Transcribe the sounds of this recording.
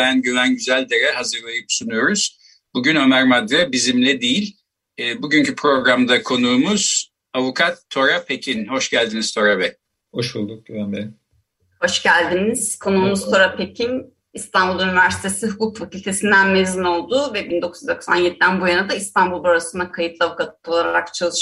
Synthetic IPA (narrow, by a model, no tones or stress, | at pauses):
ænɟyvænɟyzælʲd̪eɾɛhazɯɾlˠajɯpsunujo̞ɾuz̥ | buɟynømæɾmad̪ɾɛbizimlʲɛd̪ejilʲː | buɟyɲcʰypʰɾo̞ɡɾamd̪akʰo̞nuːmuz̥ | avukʰat̪ʰːo̞ɾapʰecʰinho̞ʃɟælʲd̪inizt̪ʰo̞ɾabɛ | hoʃulˠd̪uk̚anbɛ | ho̞ʃɟælʲd̪iniz̥kʰo̞nuːmuzt̪ʰo̞ɾapʰecʰin | ist̪ʰanbulˠynivæɾsi̥t̪ʰe̞siɦukʰukfacʰylʲt̪ʰe̞sind̪ænmezino̞lˠd̪uvɛbind̪o̞kʰuzd̪o̞ksa̰njed̪id̪ænbujanad̪aist̪ʰanbulˠbaɾasɯnd̪akʰajɯt̪lˠavukʰat̪o̞lˠaɾɾakt͡ʃʰalˠɯʃ